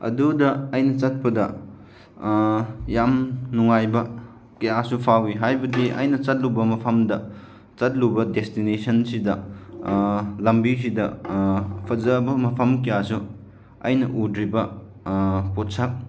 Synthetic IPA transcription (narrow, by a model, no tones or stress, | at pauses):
ɐ̰dudɐːjnɐt͡ʃɐt̚pɐdɐ | jamnuŋajbɐ | kɐjasupʰawiɦajbɐdiʔɐ̰jnɐt͡ʃɐt̚lubɐmɐpʰɐmdɐ | t͡ʃɐt̚lubɐdestinesʰɐnsidɐ | lɐmbis̬idɐ | pʰɐzɐbɐmɐpʰɐmkijasu | ɐ̰jnɐʔudɾibɐ | pot̚sak̚